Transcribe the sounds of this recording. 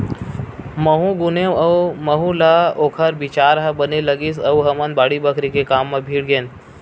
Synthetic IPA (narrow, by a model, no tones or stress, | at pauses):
məɦũɡʊneəwməɦũlaoːkʰəɾbɪt͡ʃaːɾɦɐbəneləɡisɐwɦɐmənbaːɽibəkɾikekaːmːẽbʱiːɽɡẽːn